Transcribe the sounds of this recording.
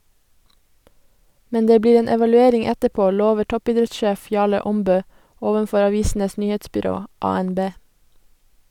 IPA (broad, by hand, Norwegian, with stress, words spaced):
ˈmɛn ˈdeː ˈbliːɾ ˈeːn ɛʋɑlʉˈeːɾɪŋ ˈɛtəˌpoː ˈloːʋəɾ ˈtɔpiːˌdɾɛtˌʃeːf ˈjɑːɭə ˈɔmbøː ˈoːʋənˌfɔɾ ɑˈʋiːsn̩əs ˈnyːheːtsbʏˌɾoː ˌɑːɛnˈbeː